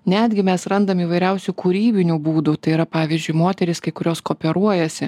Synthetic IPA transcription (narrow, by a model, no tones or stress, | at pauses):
nʲæːd̪ʲɡʲɪmʲɛsɾɐnd̪ɐmiːʋɐɪɾʲɛʊsʲukuɾʲiːbʲɪnʲuːbuːd̪ut̪ɐɪiːɾɐpɑːʋʲɪzʲd͡ʒʲʊɪmoːt̪ʲɛɾʲɪskɐɪkʊɾʲoːskoːpʲɛɾuɔjɛsʲɪ